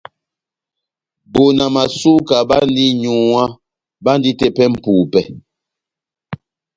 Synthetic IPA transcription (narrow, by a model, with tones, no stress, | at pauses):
bo˨na˨ma˨su˦ka˨ba˦n˦di˦ɲu˦˨wa˦ | ba˦n˦di˦te˦pɛ˦m̩˨pu˨pɛ˨